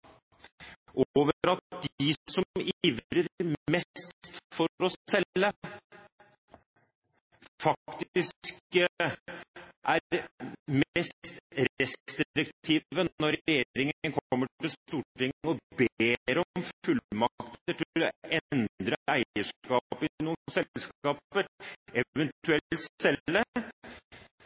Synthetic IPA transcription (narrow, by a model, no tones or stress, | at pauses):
ʔoːʋəɾɑt̪d̪ɪsɔmiːʋɾəɾmɛst̪t̪fɔɾɔsɛlːə | fɑk̚t̪ɪsk | ʔæɾmst̪ɾɛst̪ɾɾɪkt̪ʰiːʋənɔɾɛjeːɾɪŋəənkʰɔmːəʈɪlst̪uːʈɪŋːɔbeːɾɔmfʉlmɑkt̪əʈʰd̪ɛnd̪ɾəæɪəʂkɑːpɪnuːənsɛlsɑːpəɾɛʋɛnt̪ʉɛlt̪ssɛlːə